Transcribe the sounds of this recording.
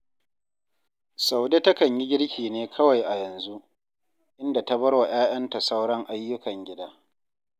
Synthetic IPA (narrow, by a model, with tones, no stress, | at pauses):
sa˨wde˦tɐ˦kɐ˨ɲjɪ˦ɡʲɪ˦ɽkʲiː˨neː˦kʰɐ˦wa˨jʔa˨jɐ˨nzu˦ʔ | ʔɪ˦nda˨ta˦bɐ˦ɽwa˨j̰aː˦j̰ɐ˦nta˨sa˦wɽɔ˦ŋʔa˦jːʊ˦kɐ˨ŋɡʲɪ˦daː˦